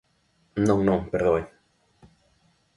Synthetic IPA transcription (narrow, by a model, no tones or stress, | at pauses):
nõŋnõŋpeɾðoe